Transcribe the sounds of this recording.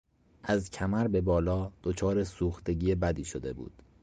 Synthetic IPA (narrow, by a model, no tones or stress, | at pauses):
ʔæzcʰæmæɾbe̞bɒːlɒːd̪̥ot͡ʃʰɒːɾesuːxt̪e̞ɟiːebæd̪iːʃo̞d̪e̞̰bṵːd̪̥